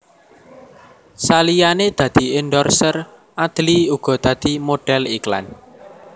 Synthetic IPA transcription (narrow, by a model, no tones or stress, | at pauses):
salijaned̪̥ä̤d̪̥i̤ɪnɖɔrsər | ad̪̥liuɡ̥ɔ̤d̪̥ä̤d̪̥i̤moɖ̥ɛlikla̰n